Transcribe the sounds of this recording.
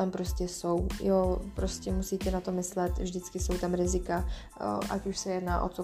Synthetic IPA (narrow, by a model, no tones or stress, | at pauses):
ampɾoscʲɛsowjopɾoscɛmusiːt̪ɛnat̪omɪslɛt̪vʒdɪt͡skɪso̞wt̪amɾɪzɪka | ʔa̰cuʃsɛjɛdna̰ːʔo̰t͡so